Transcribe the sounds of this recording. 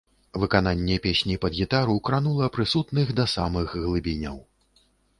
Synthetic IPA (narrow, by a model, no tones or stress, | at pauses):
vɨkananʲːɛpʲesʲnʲipɐd̪ɣʲit̪aɾukɾanulˠɐpɾɨsut̪nɨxd̪ɐsamɨxɣlˠɨbʲinʲɐ̰w